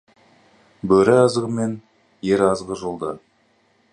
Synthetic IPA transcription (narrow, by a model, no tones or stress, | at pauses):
bɵɾɪɑzəʁəmen | jeɾɑzʁəʒolˠd̪ə